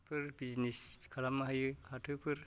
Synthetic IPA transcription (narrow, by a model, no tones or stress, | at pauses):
pʰɯɾbid͡ʒniskʰalamaɦajɯhatʰɯpʰɯɾ